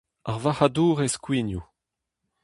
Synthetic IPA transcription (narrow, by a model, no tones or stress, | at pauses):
aʁvahaduːʁeskwinju